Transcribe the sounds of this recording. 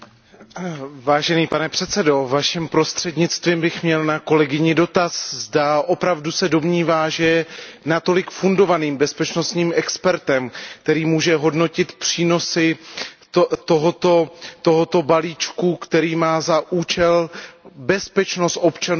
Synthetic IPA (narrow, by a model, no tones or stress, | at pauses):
vaːʒɛniːpanɛpr̝̥ɛt̪sɛdo̞vaʃɪmpɾo̞st̪r̝̥ɛdɲɪt͡st̪viːmbɪxmɲɛlnako̞lɛɡɪɲɪdo̞t̪aszdaʔo̞pɾavdusɛdo̞mɲiːvaːʒɛjɛnat̪o̞lɪkfundo̞vaniːmbɛspɛt͡ʃno̞st̪ɲiːmɛkspɛɾt̪ɛmk̚t̪ɛɾiːmuːʒɛɦo̞dno̞cɪt̪pr̝̥iːno̞sɪ | t̪o̞ɦo̞t̪o̞t̪o̞ɦo̞t̪o̞baliːt͡ʃkukt̪ɛɾiːmaːzaʔuːt͡ʃɛlbɛspɛt͡ʃno̞st̪ʔo̞pt͡ʃan